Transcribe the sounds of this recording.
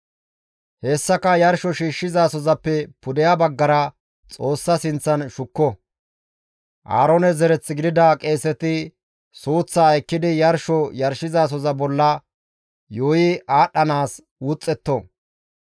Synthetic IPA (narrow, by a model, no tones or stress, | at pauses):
hɛːsːɐkɐjɐɾʃɔʃiːʃːɪzaːsɔzɐpːɛpʊd̪ɛjabɐɡːɐɾɐ | t͡sʼo̞ːsːɐsɪnt͡sːɐnʃʊkːɔ | ʔa̰ːɾɔnɛzɛɾɛt͡sːɪɡɪd̪ɪd̪ɐkʼe̞ːsɛt̪ɪ | suːt͡sːaɛkːɪd̪ɪjɐɾʃɔjɐɾʃɪzaːs̬ɔzɐbɔlːɐ | joːjɪʔaːɗːɐnaːs | uːt͡sʼːɛt̪ːɔ